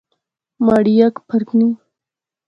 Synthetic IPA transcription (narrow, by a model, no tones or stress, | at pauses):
maɽijakpʰɐɾkni